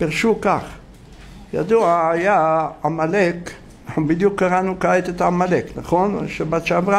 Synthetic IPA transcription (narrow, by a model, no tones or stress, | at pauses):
piʁʃukaχ | jad̪uaːjaamalek | bid̪jukːaʁanukaet̪et̪amaleknaχonʃebatt͡ʃeavʁa